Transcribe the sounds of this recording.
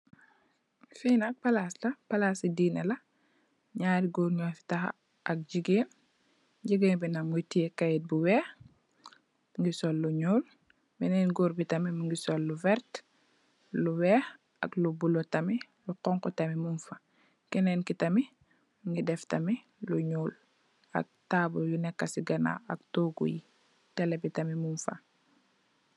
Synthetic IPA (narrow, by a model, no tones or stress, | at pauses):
finak̚pɐlaːslɐpɐlasidiːnɐlɐ | ɲaːɾiɡoːɾɲɔːfi̥tɐxa̰ | ʔɐk̚ɟiɡeː | ɟiɡeŋbinɐŋɡutiekajit̚buwɛːx | ŋɡisɔlːuɲuːl | mɛnɛːnɡɔːɾbitɐmimuŋɡisɔlːuvɛɾt | luwɛːx | a̰klubulotɐmi | luqɔŋkɔtɐmimunfa | kɛnenkitɐmi | muŋɡidɛftɐmi | luɲuːl | ɐ̰k̚taːbojunɛkːasiɡɐna̰ɐk̚toɡṵji | tɛlebitɐmimunfa̰